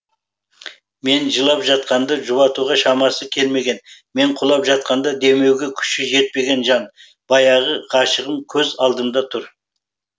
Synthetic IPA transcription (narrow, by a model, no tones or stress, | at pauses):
me̞nʒəlˠɑpʒɑt̪̚qɑnd̪ɑʒʊβɑt̪uʁɑʃɑmɑsəkʲʰe̞lme̞ɡʲe̞nme̞ɴqʰʊlˠɑpʒɑt̪̚qɑnd̪ɑd̪e̞me̞wɡʲe̞kʲʰʏ̥ʃɪʒe̞t̪̚pe̞ɡʲe̞nʒɑn | b̥ɑjɑʁəqʰɑʃəʁəmkʲʰɵzɑlˠd̪əmd̪ɑt̪ʰʊɾ